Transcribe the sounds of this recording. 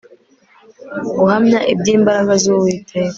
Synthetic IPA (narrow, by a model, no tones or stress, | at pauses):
uhamɲaʔibɟiːmbaɾaɡazuwiːtʰe